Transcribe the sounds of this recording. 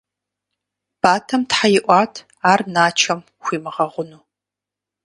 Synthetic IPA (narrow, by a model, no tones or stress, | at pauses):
b̥aːtʰɐmtħajɪʔʷɑːtʰ | aːrnaːt͡ʃʰɐm | xʷiːmɨʁɐʁʷʊnu